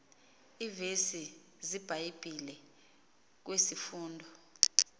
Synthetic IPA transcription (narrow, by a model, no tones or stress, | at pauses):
ivesi | zib̥ʱajib̥ʱilɛ | k̬wesifuːndʱɔ